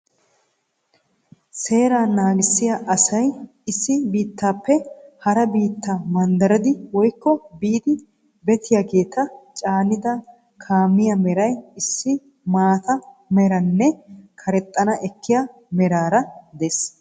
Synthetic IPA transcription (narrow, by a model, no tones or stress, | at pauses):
se̞ːɾaːnaːɡɪsːɪjaʔɐsɐj | ɪsːɪbiːt̪ːaːpːɛhɐɾɐbiːt̪ːamɐnd̪ɐɾɐd̪ɪwɔjkːɔbiːd̪ɪ | bɛt̪ʰɪjaːɡe̞ːt̪ɐt͡ʃʼaːnɪd̪ɐ | kʰaːmːɪjɐmɛɾɐjɪsːɪ | maːt̪ɐmɛɾɐnːɛkʰɐɾɛt̪ʼːɐnɐʔɛkːɪja | mɛɾaːɾɐd̪ɛs